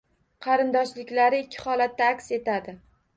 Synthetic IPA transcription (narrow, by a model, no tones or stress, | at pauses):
qʰɑɾɪnd̪ɒʃlɪkʲlaɾɪɪkʲʰːɪ̥χɒlat̪̚ːaakʲse̞t̪ad̪ɪ